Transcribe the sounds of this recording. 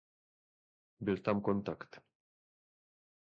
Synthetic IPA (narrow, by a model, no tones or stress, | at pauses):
bilʲt̪amkont̪akt̪